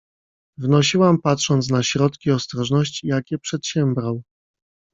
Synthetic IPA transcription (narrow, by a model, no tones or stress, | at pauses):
vnɔɕiwampatʂɔnt̪s̬naɕɾɔt̪kʲiɔst̪ɾɔʐnɔɕt͡ɕijakʲɛpʂɛt̪ɕɛmbɾaw